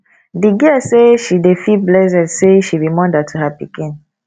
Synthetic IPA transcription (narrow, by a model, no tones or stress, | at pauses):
diɡiseʃidefiblɛzɛ̃dseʃibimɔ̃datʰuhapikĩn